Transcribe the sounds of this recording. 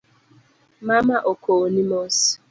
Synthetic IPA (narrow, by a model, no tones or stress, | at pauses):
mamaʔokʰonimɔs